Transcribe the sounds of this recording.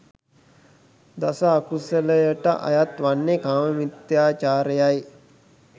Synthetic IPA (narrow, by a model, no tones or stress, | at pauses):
d̪asəːkusələjəʈə̰ʔa̰jat̪ʋanːekaːməmit̪jaːt͡ʃaːɾəjaj